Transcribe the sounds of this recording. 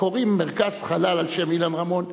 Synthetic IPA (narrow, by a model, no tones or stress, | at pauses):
oʁimːeʁkaz̥χalalalʃemilanʁamo̞n